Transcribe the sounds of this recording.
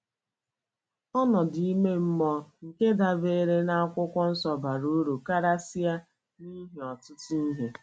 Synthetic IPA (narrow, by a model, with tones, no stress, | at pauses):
ɔ˦nɔ˨di˨i˦me˦m̩˦mɔ˦ŋ̩˨ke˦da˨be˦ɾe˦na˦a˦kʷʊ˦kʷɔ˦n̩˦sɔ˨ba˨ɾo˦ɾu˨ka˦ɾa˦si˦a˦ | ni˦ɦe˨ɔ˨tʊ˦tu˦i˦ɦe˨